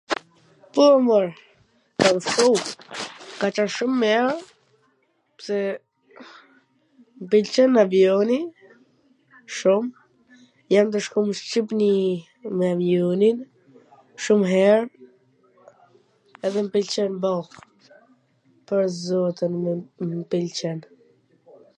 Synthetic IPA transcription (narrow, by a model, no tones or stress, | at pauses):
puməɾ | kafu | kat͡ʃaʃumːɛɾ | psɛ | mpilt͡ʃənavjɔni | ʃum | jamt̪̬əʃkɔməʃt͡ʃip̬ni | mɛavjɔnin | ʃumɦɛɾ | ɛðɛmpilt͡ʃɛnbɔh | pəɾzɔt̪ənmpilt͡ʃɛn